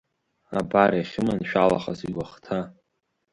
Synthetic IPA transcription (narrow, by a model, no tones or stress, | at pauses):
abariaχʲɪmanʃᶣalaχaziɡʷaχtʰa